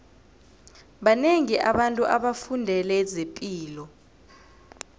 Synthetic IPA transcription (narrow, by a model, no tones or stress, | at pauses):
ɓaneŋiʔaɓantʼuʔaɓafundʱɛlɛzepʼiːlɔ